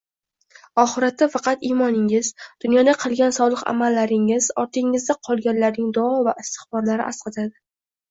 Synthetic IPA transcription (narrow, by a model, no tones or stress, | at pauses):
ɒχɨɾat̪ʰːafɑqʰɑt̪imɒnɪŋɪzd̪̥ʊnjɒd̪aqʰɨlˠɡʲansɒlˠɨqa̰malːaɾɪŋɪzɒɾt̪ʰɪŋɪzd̪aqʰɒlˠɡʲanlaɾnɪŋd̪ɒɒvaʔɪst̪ʰɪ̥χbɒɾlaɾɪ̰ʔasqɑt̪ʰad̪ɪ